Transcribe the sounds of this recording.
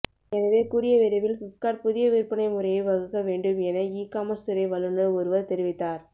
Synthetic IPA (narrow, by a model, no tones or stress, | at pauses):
ɛnɐʋeːkuːɾɪjɐʋɪɾɐʋɪlfʊkːaːɾpʊðɪjɐʋiːɾpːɐnɐɪmʊɾɐjɐɪʋɐɣɯkːɐʋeːɳɖɯmɛnɐiːkːaːmɐst̪ɯɾɐɪʋɐlɯnɯɔɾɯʋɐɾt̪ɛɾɪʋɪt̪ːaːɾ